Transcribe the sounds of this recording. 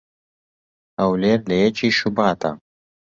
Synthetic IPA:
ɐwleːɾlɐjɛt͡ʃiːʃubaːt̪a̰

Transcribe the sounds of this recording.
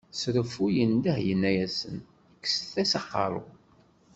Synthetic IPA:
sɾəfujənd̪æhjənːæjæsə̰n | kːsəθæsɑqːɑ̰ɾˤʊ̰

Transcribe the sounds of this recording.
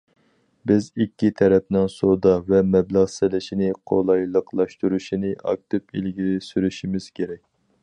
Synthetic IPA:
bɪzikʲːit̪ʰɛɾɛp̚nɪŋsod̪ɑvɛmɛblæʁsɪlɪʃinɪqʰo̰lˠɑjlˠəqlˠɑʃt̪uɾuʃinɪʔɑ̰k̚t̪ʰɪpḭlɡʲilɪsyɾyʃimɪz̥kʲʰeɾɛk̚ʲ

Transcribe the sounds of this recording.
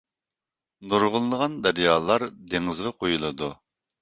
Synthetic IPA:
noɾʁʊlˠːəʁɑnd̪æɾjɑːlˠɑɾd̪eŋɨzʁɑqʰojulˠɨd̪u

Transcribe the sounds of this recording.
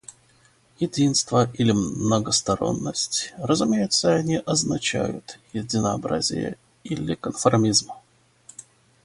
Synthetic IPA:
jɪdʲinst̪vəʔilʲɪmnəɡəst̪ɐɾo̞̰nːəsʲtʲrəzʊmʲejɪt̪səɐnʲiʔɐznɐt͡ɕæ̰jʊt̪jɪdʲɪnəɐbɾa̰zʲɪ̰jə̰ | ilʲɪkənfɐrmʲizm

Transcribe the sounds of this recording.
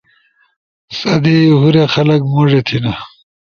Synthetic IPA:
sɐd̪iɦuɾexɐlɐkmoʐet̪ʰinɐ

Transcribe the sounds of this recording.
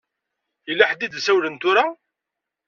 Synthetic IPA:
əlːaħd̪id̪sæwlənt̪ʊɾa

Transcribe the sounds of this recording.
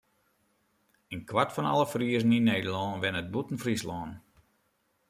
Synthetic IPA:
ənkʰwatfɔnɔ̰lˠəfriəzəninejdəlɔːnʋɪnət̚butən̩frislɔːn

